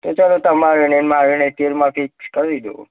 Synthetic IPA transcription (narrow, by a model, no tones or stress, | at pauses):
t̪ot͡ʃalot̪əmaɾenenmaɾenet̪iɾmãpʰikskəɾid̪o̰